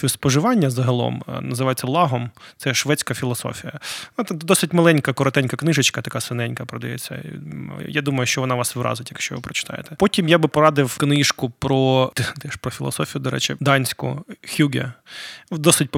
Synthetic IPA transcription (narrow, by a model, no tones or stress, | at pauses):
spɔʒɪʋɑnʲːɐzɐɦɐlˠɔ̰mnɐzɪʋɑjet͡sʲːɐlˠɑɦɔmt̪sɛʃʋɛt͡sʲkɐfʲilˠɔsɔ̰fʲijɐt̪d̪ɔsɪtʲmɐlˠɛnʲkɐkɔɾɔt̪ɛnʲkɐknɪʒɪt͡ʃkɐt̪ɐkɑsɪnɛnʲkɐpɾɔd̪ɐjɛ̰t͡sʲːɐ̰jad̪umɐjʊʃt͡ʃɔʋɔnɑʋɑsʋɪɾʔɑ̰zɪtʲjɐkʃt͡ʃɔ̰ʋɪpɾɔt͡ʃɪ̥t̪ɑ̰jḛt̪ɛpɔtʲimjabɪpɔɾɑd̪ɪwknɪʃkʊpɾɔd̪d̪ɛʃpɾɔfʲilˠɔ̰sɔfʲijʊd̪ɔɾɛ̰t͡ʃɪd̪ɑnʲsʲkʊ̰xʲuɡʲɛ̰ | d̪ɔsɪt̚ʲ